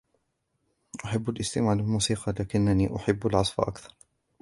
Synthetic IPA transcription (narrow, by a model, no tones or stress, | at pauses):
ʔʊħɪbːalʔɪst̪ɪmaʕlɪlmuːsiːqɑlaːkɪnːanḭːʔʊħɪbːalʕɑsˤfa̰ʔa̰kθɑɾˤ